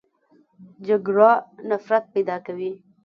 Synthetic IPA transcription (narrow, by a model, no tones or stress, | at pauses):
d͡ʒaɡɾanafɾat̪̚pejd̪ɑkawi